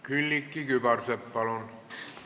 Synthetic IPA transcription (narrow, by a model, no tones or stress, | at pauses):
kylʲːikːikypɑrsepːɑlon